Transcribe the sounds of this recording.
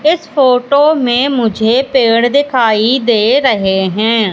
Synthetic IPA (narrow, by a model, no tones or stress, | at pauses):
ɪspʰoːʈoːmẽːmʊd͡ʒʱeːpeːɽd̪ɪkʰaːiːd̪eːɾəɦeːɦɛ̃ː